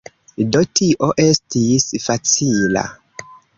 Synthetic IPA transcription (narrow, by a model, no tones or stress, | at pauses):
dotiʔoʔestisfat͡sila̰